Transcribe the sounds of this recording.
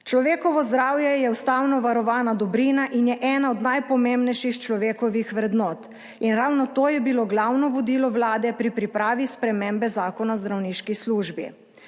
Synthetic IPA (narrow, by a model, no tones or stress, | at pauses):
t͡ʃlɔʋeːkɔʋɔzd̪ɾaːwjɛjɛust̪awnɔʋaɾɔʋaːnad̪ɔbɾiːnaʔinjɛʔɛːnaɔd̪najpɔmembnɛjʃixt͡ʃlɔʋeːkɔʋixʋɾɛd̪nɔːt̪ | inɾawnɔt̪oːjɛbiloɡlawnɔʋɔd̪iːlɔʋlaːd̪ɛpɾipɾipɾaːʋispɾɛmembɛzaːkɔnazd̪ɾawniːʃkisluːʒbḭ